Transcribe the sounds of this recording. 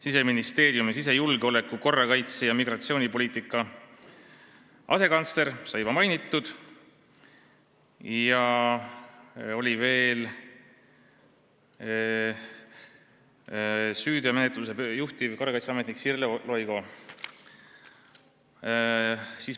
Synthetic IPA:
siseminist̪e̞ːɾjumis̬ise̞julɡ̥eo̞le̞kːˑuko̞rːɑkɑjt̪sejɑmiɡ̥rɑt̪sioːnipo̞lʲiːt̪ˑikːˑɑ | ʔɑ̰se̞kɑnt̪sle̞ɾsɑjvɑmɑjnit̪ːˑud̪̥ | jjɑ | o̞lʲive̞ːl | syːd̪̥iɑme̞net̪ˑlus̬e̞juht̪ivko̞rːɑkɑjt̪seɑmet̪niksirlelo̞jɡo̞ | siːs

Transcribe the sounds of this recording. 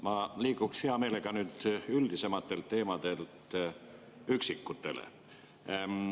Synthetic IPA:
mɑliːkuksheɑme̞ːle̞ɡ̥ɑnyːd̪̥yld̪̥ise̞mɑt̪ːˑe̞lt̪e̞ːmɑd̪̥e̞lt̪ | yksikːut̪ːˑe̞̰lḛ

